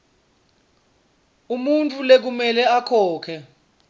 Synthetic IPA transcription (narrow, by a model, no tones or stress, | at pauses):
umunt͡fʼulek̬umɛlɛakʰɔːkʰɛ